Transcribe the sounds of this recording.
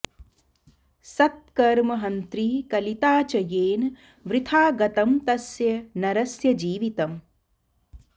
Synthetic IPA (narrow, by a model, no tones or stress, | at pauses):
sɐt̪̚kɐɾmɐɦɐnt̪ɾikɐlit̪aːt͡ʃɐjeːn | ʋɾɪt̪ʰaːɡɐt̪ɐmt̪ɐsjɐnɐɾɐsjɐd͡ʒiːʋit̪ɐm